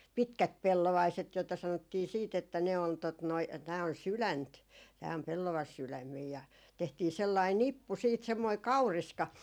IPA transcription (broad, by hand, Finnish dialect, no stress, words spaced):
pitkæt pelːoʋɑiset joitɑ sɑnotːiː siːt etːæ ne on tot noi tæː on sylænt tæː om pelːɑʋɑsylæmːiː jɑ jɑ tehtiː selːɑi nipːu siːt semːoi kɑuriskɑ